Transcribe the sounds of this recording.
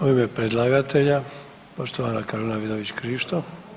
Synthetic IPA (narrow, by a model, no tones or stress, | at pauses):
oimepɾed̪lˠaɡat̪ʰeʎa | poʃt̪oʋanakaɾonaʋid̪oʋit͡ɕkɾiːʃt̪o